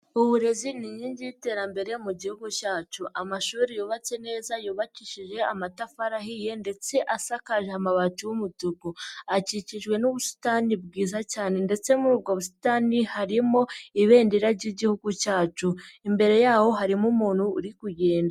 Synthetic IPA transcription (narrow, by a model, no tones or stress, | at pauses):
uβuɾe̞ziniɲiːɲɟiite̞ɾambe̞ɾemuɟihuɡucaːt͡ʃuʔamaʃuːɾijuːβat͡se̞ne̞ːzajuːβaciʃiʒe̞amatafaɾahije̞nde̞t͡se̞ʔasakaʒeamaβat͡ʃuwumutuɡuaciciʒɡwe̞nuβusi̥tanibɡiːzacaːne̞nde̞t͡se̞muɾubɡoβusi̥taːnihaɾimo̞iβe̞ːndiɾaɾɟiɟihuɡucaːt͡ʃuimbe̞ɾe̞jaːho̞ɦaɾimumuːn̥hṵːɾikuɟe̞ːnda